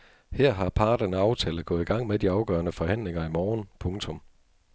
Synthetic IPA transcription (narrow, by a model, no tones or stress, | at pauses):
hɛɐ̰ɦɑ̈pʰɑ̈ːɾ̥ɐnæɑ̈ʊt͡sʰɛːləɡ̥ɔ̽ð̩ˠiɡ̥ɑ̈ŋ̰med̥iɑ̈ʊɡ̥œːɐnəfɒ̽hæn̰leŋɐimɒːnpʰɔ̽ŋt͡sʰɔ̽m